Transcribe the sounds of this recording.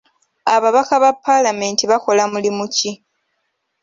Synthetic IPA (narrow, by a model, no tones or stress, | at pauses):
aβaβakaβapːalame̞ːntiβako̞lamulimuci